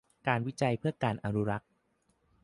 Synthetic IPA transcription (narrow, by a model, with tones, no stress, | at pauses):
kaː˧nwi˦˥t͡ɕa˧jpʰɯ˥˩ɐkaː˧nʔa˧nu˦˥ɾa˦˥k̚